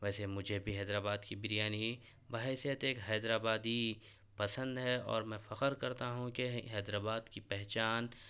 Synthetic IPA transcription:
ʋɛːsemʊd͡ʒʱebʱiɦɛːd̪ɾaːbaːd̪kibɪɾijaːni | baɦɛsijət̪eːkɦɛːd̪ɾaːbaːd̪i | pɐsə̃nd̪ɦɛɔ̰ːɾmɛ̃fɐqəɾkɐɾt̪aɦũkeɦɛːd̪ɾaːbaːd̪kipɛɦt͡ʃaːn

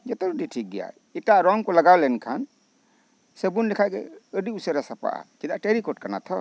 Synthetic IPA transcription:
d͡ʒɔt̪ɔɾudiʈʰik̚ɡɛja̰ | iʈaɾɔŋkɔlaɡawlɛnkʰan | səbunlɛkʰaɡɛəɖiusəɾasapa̰ʔa̰kid̪aʔʈeɾikɔʈ̚kana̰t̪ʰɔ

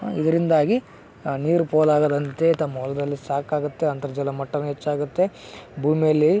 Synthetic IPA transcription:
id̪ɐɾind̪aːɡi | niːɾupoːlaːɡɐd̪ɐnt̪e̞t̪ɐmːɐɦɔlɐd̪ɐlːisaːkaːɡut̪ːe̞ɐnt̪ɐɾɐd͡ʒɐlɐmɐʈːɐnɐɦet͡ʃːaːɡut̪ːe̞ | bʱuːmijɐlːi

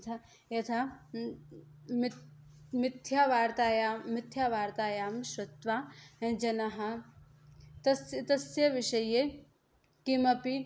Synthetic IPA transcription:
t̪ʰɐ | jɐt̪ʰɐ | m | mɪt̪ʰjaːʋaːɾt̪aːjaːmɪt̪ʰjaːʋaːɾt̪aːjaːmʃʋɐt̪ʋaːẽd͡ʒɐnɐɦɐ | t̪ɐsjt̪ɐsjɐʋiʃɐje | kimɐpi

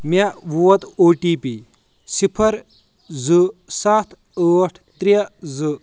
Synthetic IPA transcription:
mʲaʋuwɐt̪oːʈiːpi | sipʰɐɾ | zɨsat̪ʰ | əːʈʰt̪ɾɐzɨ

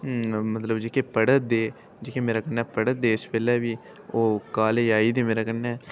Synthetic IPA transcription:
mət̪ləbd͡ʒekeːpəɽət̪̚d̪eː | d͡ʒekeːmeːɾaːkənːɛːpəɽət̪̚d̪eːspɛːlɛːbiː | oːkaːleaːiːd̪eːmeːɾaːkənɛː

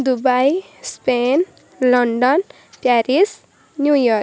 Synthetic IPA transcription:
d̪ubaj | spen | lʌɳɖʌn | pjaɾis | njujʌr

